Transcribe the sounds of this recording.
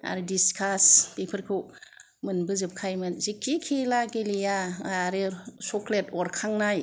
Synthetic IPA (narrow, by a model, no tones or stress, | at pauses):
a̰ɾidiskʰaspepʰɯɾkʰo | mɯnbɯzɯp̚kʰajmɯnzikʰːikʰelaɡelijaaɾesɔkletɔɾkʰaŋnaj